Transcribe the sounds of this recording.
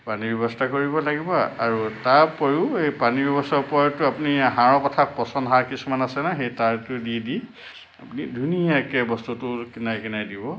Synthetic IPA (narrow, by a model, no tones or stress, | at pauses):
panibɛbɔstakoɹibɔlaɡibɔa̰ɹutaɹpɔɹiʊejpanibɛbɔstɔɹpɔtʊapuniaɦãɹɔkɔtʰak̚pɔsɔnɦaɹkisumanasɛnaxejtaɹtʊdidi | apunidʱuniakɛbɔstutʊkinajkinajdibɔ